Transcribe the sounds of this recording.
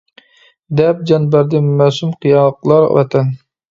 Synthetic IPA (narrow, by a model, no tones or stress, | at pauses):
d̪ɛp̚d͡ʒɑnbæɾd̪ɪmæsumqʰijɑlˠəqlˠɑɾwɑ̰t̪ʰɛn